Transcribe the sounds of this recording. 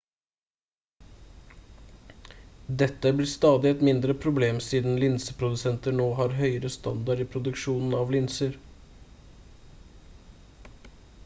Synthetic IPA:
d̪ɛt̪ːəblɪːst̪ɑːd̪ɪɛt̪mɪnd̪ɾəpʰɾʊbleːmsiːd̪n̩lɪnsəpʰɾʊd̪ʉsɛnt̪əɳoːɦɑɾɦœʏəɾəst̪ɑnd̪ɑɖiːpʰɾʊd̪ʉkʃuːnn̩ɑʋlɪnsəɾ

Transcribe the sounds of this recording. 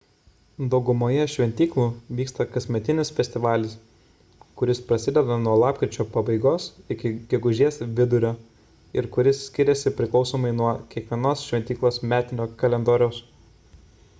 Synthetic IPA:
d̪ɒʊɡʊmoːjɛʃʲʋʲɛnʲt̪ʲiːklˠuːʋʲiːkst̪ɐkɐsʲmʲɛt̪ʲɪnʲɪsfʲɛsʲt̪ʲɪʋɑːlʲɪs | kʊɾʲɪspɾɐsʲɪd̪ʲɛd̪ɐnuɔlˠɑːpkɾʲɪt͡ʃʲoːpɐbɐɪɡoːsɪkʲɪɡʲɛɡʊʒʲiɛsʋʲɪd̪ʊɾʲoː | ɪɾkʊɾʲɪsːʲkʲɪɾʲɛsʲɪpʲɾʲɪklˠɒʊsoːmɐɪnuɔkʲiɛkʋʲiɛnoːsʃʲʋʲɛnʲt̪ʲiːklˠoːsmʲæːt̪ʲɪnʲoːkɐlʲɛnd̪oːɾʲɛʊs

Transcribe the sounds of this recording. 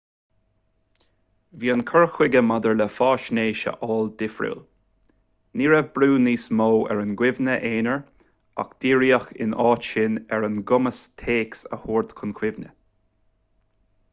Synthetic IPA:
viːənkʰəɹxwɪɡəmad̪əɹləfɑːʃneːʃə̰ʔɑːld̪ɪfɹṵl | niːɹɛvbɾuːniːsmoːɛ̰ɹənɡwɪvnəʔeːnəɹ | a̰kd̪̥iːɹiːəxɪ̰nɑːtʃɪnɛɹənɡʊməst̪ʰeːksə̰huːɹd̪kʰʊnkʰwɪvnə̰

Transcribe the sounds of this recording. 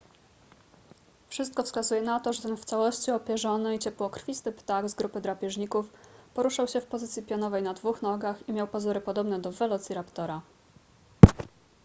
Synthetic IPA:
fʂɘst̪kɔfskazujɛnat̪ɔʐɛt̪ɛnft̪sawɔɕt͡ɕiɔpʲjɛʐɔnɘit͡ɕɛpwɔkɾfʲist̪ɘpt̪aɡzɡɾupɘd̪ɾapʲjɛʐɲikufpɔɾuʂawɕɛfpɔzɘt̪sʲjipʲjɔnɔvɛjnad̪vuxnɔɡaximʲjawpazuɾɘpɔd̪ɔbnɛd̪ɔvɛlɔt̪sʲiɾapt̪ɔɾa

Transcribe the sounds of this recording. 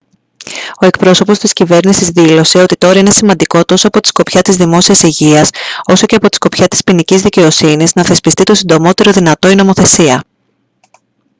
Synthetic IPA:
o̞e̞kpɾo̞so̞po̞st̪iscive̞ɾnisizðilo̞se̞o̞t̪it̪oɾɐine̞simɐnd̪iko̞t̪o̞so̞ɐpo̞t̪i̥sko̞pçɐt̪izðimo̞siɐsiʝiɐso̞so̞ce̞ɐpo̞t̪i̥sko̞pçɐt̪i̥spinicizðice̞o̞siniznɐθe̞spist̪it̪o̞sind̪o̞mo̞t̪e̞ɾo̞ðinɐt̪o̞ino̞mo̞θe̞siɐ

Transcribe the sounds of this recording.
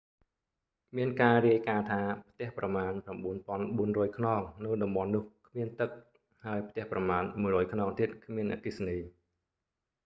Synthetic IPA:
miənkaːriəjkaːt̪ʰaːpʰt̪ɛ̆əhprɑmaːnprɑmɓuənpŏənɓuənrɔːjkʰnɑːŋnɨwɗɑmɓɑnːʊ̆əhkʰmiənt̪ɨk̚ | haəjp̚ʰt̪ɛ̆əhprɑmaːnmuəjrɔːjkʰnɑːŋt̪iət̪̚kʰmiənʔa̰ːkisniː

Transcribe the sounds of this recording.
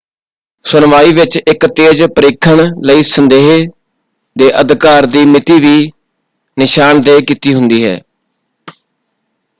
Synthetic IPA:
sʊnʋaːiːʋɪt͡ʃɪkt̪eːd͡ʒpəɾeːkʰəɳləiːsənd̪eːɦe | d̪eːʔəd̪kaːɾd̪iːmɪt̪iːʋiː | nɪʃaːnd̪eːkiːt̪iːɦʊ̃nd̪iːɦɛ̰ː

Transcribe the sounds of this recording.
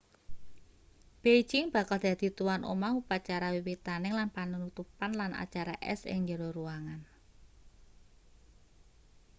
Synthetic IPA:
b̥ejd͡ʒɪŋb̥a̤kald̪̥a̤d̪̥i̤t̪uwanʔo̰maupat͡ʃaɾawiwit̪anɪŋlanpanunut̪upanlana̰t͡ʃaɾaʔɛ̰sɪ̰ŋd͡ʒəɾoɾuaŋan

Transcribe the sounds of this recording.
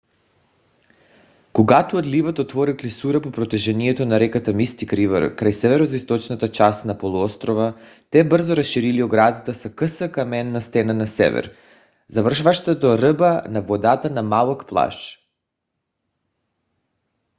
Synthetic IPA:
koɡat̪uod̪livat̪ot̪vɔɾiklisuɾapopɾot̪ɛʒɛniɛt̪onaɾɛkat̪amist̪ikɾiva̰ɾkɾajsɛvɛɾozaist̪ɔt͡ʃnat̪at͡ʃasnapolˠuɔst̪ɾova | t̪ɛbrzoɾasʃiɾilioɡɾad̪at̪asakəsəkamɛnːast̪ɛnanasɛ̰vɛ̰ɾ | zavr̩ʃvaʃt̪at̪oɾəbanavod̪at̪anamalˠokplˠa̰ʃ

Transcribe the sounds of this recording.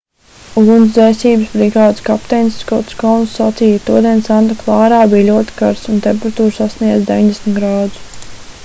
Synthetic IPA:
ulˠund̪zɛsiːbəsbɾiɡaːd̪skapt̪ɛnsːkɔt̪skawnsːat̪siːjət̪uɔd̪iɛnsant̪aklˠɑːɾaːbijlʲuɔt̪i̥kaɾsunt̪ɛmpeɾat̪uːɾsasniɛd̪zd̪ʲeviɲd̪esmʲt̪ɡɾaːd̪u̥s

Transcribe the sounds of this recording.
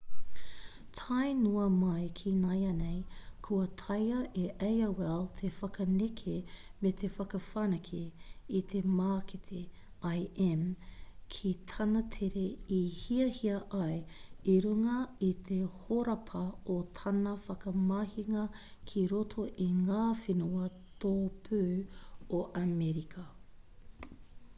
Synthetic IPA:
tʰɐjnuɐmɐjkʰinɐjɐnejkʰuɐtʰɐjɐʔeʔejɐwɛlt̪ʰefɐkɐnekʰemet̪ʰefɐkɐfanɐkʰiit̪ʰemaːket̪ʰe | ajɛmkʰit̪ʰɐnɐt̪ʰeɾeihiɐhiɐʔɐjiɾuŋɐit̪ʰehoɾɐpʰɐot̪ʰɐnɐfɐkɐmɐhiŋɐkʰiɾotʰoʔiŋaːfenuɐ | t̪ʰoːpʰʉoʔamɛɾikʰɐ

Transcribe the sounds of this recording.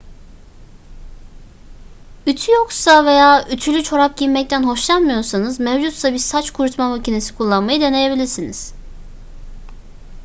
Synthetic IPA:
yt̪ʰyjoksave̞jaːyt̪ʰylʲyt͡ʃʰo̞ɾap̚ɟiɾmɛc̚t̪ʰænɦo̞ʃlˠanmɯjo̞ɾsanɯzmɛvd͡ʒut̪sabiɾsat͡ʃkʰuɾut̪ʰmavacinesi̥kʰulˠːanmajɯd̪e̞ne̞je̞bilʲiɾsiniz̥

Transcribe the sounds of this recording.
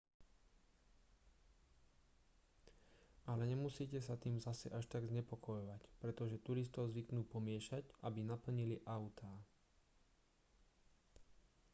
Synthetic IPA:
ʔalɛɲɛmusiːcɛsat̪iːmzasɛ̰ʔaʃt̪aɡzɲɛpɔkɔjɔʋacpɾɛt̪ɔʒɛt̪uɾist̪ɔʊzʋiknuːpɔmɪɛʃaɟʔa̰binapl̩ɲiliʔaʊt̪ʰaː

